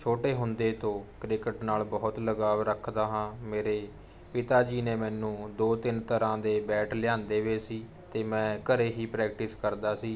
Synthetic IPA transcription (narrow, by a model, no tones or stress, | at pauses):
t͡ʃʰoːʈeːɦʊnd̪eːt̪õːkɾɪkəʈnaːlbɔːt̪ləɡaːʋɾəkʰd̪aːɦãːmeːɾeː | pɪt̪aːd͡ʒiːneːmɛːnũːd̪oːt̪ɪnt̪əɾãːd̪eːbɛːʈʰlɪjãːnd̪eːʋeːsiː | t̪eːmɛ̃ːkəɾeːɦiːpɾɛːk̚ʈɪskəɾd̪aːsiː